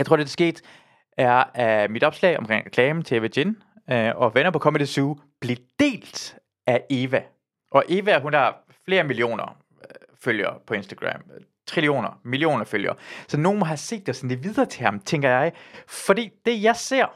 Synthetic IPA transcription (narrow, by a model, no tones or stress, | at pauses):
jɑɪt͡sʰʁo̝ɐ̰ded̥ɑsɡ̥e̝̰ːd̥ | æɐæmid̥ɒ̽b̥slɛ̰ːɪɒ̽mkʁḛŋʁɛkʰlɛːmət͡sʰe̝eʋeden | ɒ̽ʋenɐpʰɒ̽kʰɒ̽məd̥esuː | b̥lid̥e̝̰ːld̥ | ʔæe̝ːʋæ | ʔɒ̽ʔe̝ːʋæɦun̥ɑ | fle̝ːɐmilio̝̰ːnɐ̰ | føljɐpʰɒ̽e̝nsd̥æɡ̥ʁæ̰m | t͡sʰʁilio̝̰ːnɐmilio̝̰ːnɐføljɐ̰sɒ̽no̝ːnmɒ̽ɦæse̝̰ːd̥ːesɒnleʋið̞ˠɐːt͡sʰe̝hɑ̈mt͡sʰeŋɡ̥ɐjɑ̈ɪfɒd̥ḭːd̥e̝jɑ̈ɪse̝ɐ̰